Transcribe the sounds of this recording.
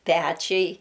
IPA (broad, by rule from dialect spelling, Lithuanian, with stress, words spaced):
ˈpʲæt͡ʃʲɛɪ